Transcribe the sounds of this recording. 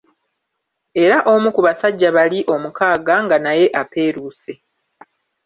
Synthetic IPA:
e̞ɾaʔo̞mukuβasaɟːaβaliʔo̞mukaːɡaŋɡanaje̞ʔape̞ːɾuːse̞

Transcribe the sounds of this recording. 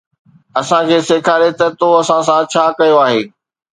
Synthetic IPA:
ɐsãkʰeːseːkʰaːɾet̪ɐt̪oɐsãs̬ãt͡ɕʰaːkɐjoaːɦeː

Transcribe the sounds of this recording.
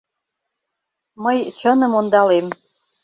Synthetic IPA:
məjt͡ɕə̆nɤ̆mond̪ɑlem

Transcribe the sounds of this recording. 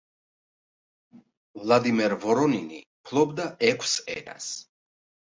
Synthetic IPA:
vlˠad̪imɛɾvɔɾɔninḭpʰlˠɔb̚d̪aɛkʷʰsɛ̰na̰s

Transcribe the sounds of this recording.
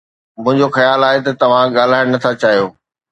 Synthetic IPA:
mʊ̃ɦɪ̃ɲd͡ʑoxɐjaːlaːɦet̪ɐt̪ɐʋ̤ãɠaːl̤aːɪɽ̃nɐt̪ʰat͡ɕaːɦijoː

